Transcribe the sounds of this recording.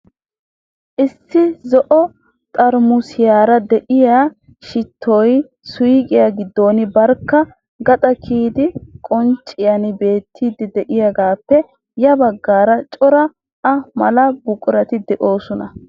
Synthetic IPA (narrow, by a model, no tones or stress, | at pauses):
ʔɪsːɪzɔʔɔ | t̪ʼɐɾmʊsɪjaːɾɐd̪ɛʔɪjaː | ʃɪt̪ʰːɔj | sʊjkʼɪjaɡɪd̪ːo̞ːnɪbɐɾkːɐ | ɡɐt̪ʼɐkʰiːd̪ɪkʼɔnt͡ʃʼːɪjɐnɪbe̞ːt̪ʰːiːd̪ɪd̪ɛʔɪjɐɡaːpːɛ | jɐbɐɡːaːɾɐt͡ʃʼɔɾɐː | mɐlɐbʊkʼɾɐt̪ɪd̪ɛʔo̞ːsɔnɐ